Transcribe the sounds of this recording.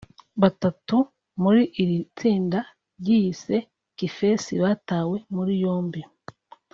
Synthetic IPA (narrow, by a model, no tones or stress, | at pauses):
βatatu | muɾiʔiɾit͡siːnda | ɾɟijise̞ | kife̞siβaːtaːwe̞muɾijo̞ːmbi